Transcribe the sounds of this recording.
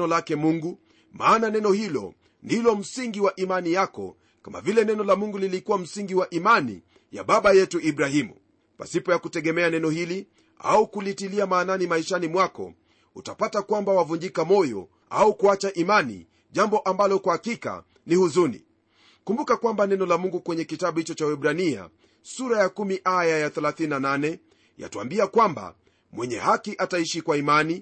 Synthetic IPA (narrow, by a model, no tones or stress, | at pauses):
ɔlakɛmuŋɡu | maːnanɛnɔhilɔ̰ | ndilɔm̩siŋɡiwaʔimanijakɔ̰ | kama̰vilɛnɛnɔlamuŋɡulilikuwam̩siŋɡiwaʔimanḭ | ja̰ɓaɓajɛtuʔiɓɾahimṵ | pa̰sipɔjakutɛɠɛmɛanɛnɔhili | a̰ukulitiliamaːnanimaiʃanimwakɔ̰ | utapatakwambawavuɲd͡ʒikamɔjɔ̰ | a̰ukuat͡ʃaʔimanḭ | ʄambɔʔambalɔkwahakika̰ | nihuzunḭ | kumbukakwambanɛnɔlamuŋɡukwɛɲɛkitaɓuhit͡ʃɔt͡ʃawɛɓɾania̰ | suɾajakumiʔajajaθɛlaθininananɛ | ja̰tua̰mbiakwamba̰ | mwɛɲɛ̰hakiʔataiʃikwaimani